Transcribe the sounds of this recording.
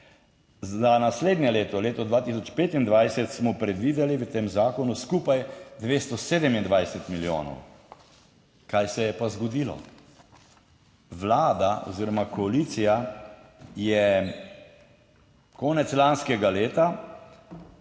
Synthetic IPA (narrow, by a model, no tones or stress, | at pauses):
zanasleːd̪nʲjɛleːt̪ɔleːt̪ɔd̪ʋaːt̪is̬ɔt͡ʃpeːt̪ind̪ʋajsɛt̪smɔpɾɛd̪ʋiːd̪ɛliʋət̪eːmzaːkɔnuskupajd̪ʋeːst̪ɔseːd̪ɛmind̪ʋajsɛt̪miljo̰ːnɔ̰w | kajsɛjɛpazɡɔd̪iːlɔ̰ | ʋlaːd̪aɔ̰ziɾɔmakɔalit̪sija | jɛ | kɔːnɛt̪slanskɛɡaleːt̪a